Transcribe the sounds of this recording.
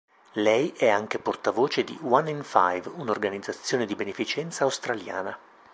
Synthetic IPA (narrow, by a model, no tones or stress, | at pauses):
lɛjʔɛaŋk̟eport̪avoːt͡ʃed̪ḭwanːinfa̰jvunorɡanid̪zːat̪sːjoːned̪ibenefit͡ʃɛnt̪saːwst̪ɾalja̰ːna